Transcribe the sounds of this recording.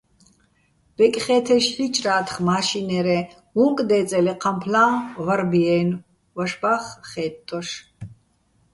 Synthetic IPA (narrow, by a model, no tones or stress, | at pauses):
b̥ɛkʼχɛːt̪ʰɛʃɬit͡ʃʼraːt̪ʰχmaːʃinɛɾɛ | huŋkʼd̪ɛːt͡sʼɛlɛqʰampʰlaːvaɾbiɛn | vɔʃbaχχɛːt̪ʼːɔʃ